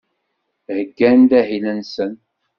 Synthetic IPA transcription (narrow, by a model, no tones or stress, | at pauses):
həɡːænd̪æhilænsən